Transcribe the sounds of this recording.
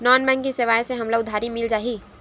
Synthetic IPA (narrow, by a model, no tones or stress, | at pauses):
nɔːnbɛ̃ːŋkkːisɪʋaːjseɦɐmlaʊd̪ʱaːɾimɪld͡ʒaːɦiː